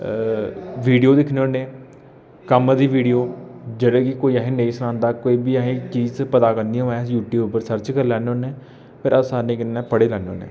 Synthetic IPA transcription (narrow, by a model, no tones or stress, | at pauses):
ʋiːɖijoːd̪ɪkʰneːoːnẽː | kəmd̪iːʋiːɖijoːd͡ʒəɽẽːkikoːiːəɦẽːneiːsənãːnd̪aːkoːiːbiːəɦẽːt͡ʃiːzpət̪aːkəɾnd̪ij̃ːɛ̃sjuːʈjuːbpəɾsəɾt͡ʃkəɾlɛːnːoːnẽː | pʰəɾəsaːnẽːkɪnːɛ̃ːpəɽeːlɛːnːoːnḛː